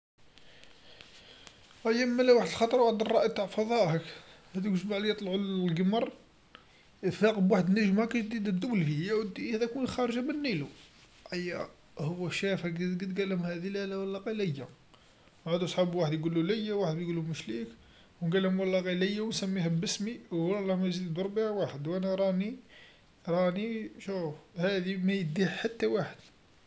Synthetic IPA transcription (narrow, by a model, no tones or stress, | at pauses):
æjːæmːælæwaħəd̪əlxɑt̪ˤɾˤwaħəd̪ərˤːɑʔit̪aʕfɑðˤɑʔhəkhæd̪ikuʒmaʕlijət̪ˤlʕullɡəmɑɾˤ | fɑqəbwaħəd̪nəʒmhækæʒd̪id̪æd̪ːuwlfijæwəd̪ihæd̪ækunxæɾˤʒæmənːilu | ʔæjːæ | hʊwːæʃæfæɡ̪ɡət̪ɡælhʊmhæd̪ilælæwəlːɑqɑlæjːæ | ʕad̪usˤħabwaħəd̪jɡulːulæjːæwaħəd̪bjɡulːuməʃlik | wnɡælhʊmwɑlˤːɑqɑlæjːæwnsæmːihæbəsmiwɑllˤːɑmæzid̪bəɾˤbiʕwaħəd̪wʔænæɾˤɑni | ɾˤɑniʃufhæd̪imæjəd̪iħħat̪ːæwaħəd̪̥